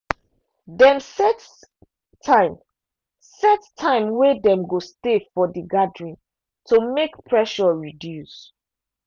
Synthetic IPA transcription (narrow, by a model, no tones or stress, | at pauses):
dɛ̃nsɛt | tʰãɪ̃m | sɛttʰãɪ̃mwɛdɛ̃mɡostefɔdiɡadɹĩn | tʰomekpʰɹɛʃɔɹidjus